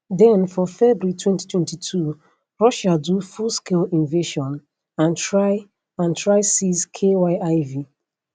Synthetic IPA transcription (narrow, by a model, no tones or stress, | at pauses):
dɛ̃nfɔfɛbuitʰwɛ̃nti̥tʰwɛ̃ntitʰu | ɹɔʃadufulskʰelĩnveʃɔ̃n | ãntɹaɪ | ãntʰɹaɪsizkʰewaɪaɪvi